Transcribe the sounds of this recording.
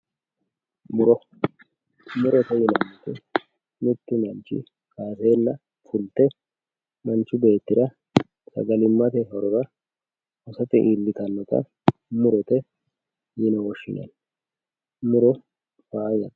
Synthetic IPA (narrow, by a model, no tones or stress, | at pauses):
mʊɾɔ | mʊɾɔt̪ɛjɪnɐnːɔt̪ɛ | mʊt̪ːɪmɐnt͡ʃːɪ̰ | kaːseːlːɐ | fʊlt̪ɛ | mɐnt͡ʃːʊbe̞ːt̪ːɪɾɐ | sɐ̰ɡɐlɪmːɐt̪ɛɦɔɾɔɾɐ | ʔɔsɐt̪ɪʔilːɪk̪ɐnːɔt̪ɐ̰ | mʊɾɔt̪ɛ | jɪnɐwɔʃːɪ̰nɐ̰n | mʊɾɔ | faːjɐn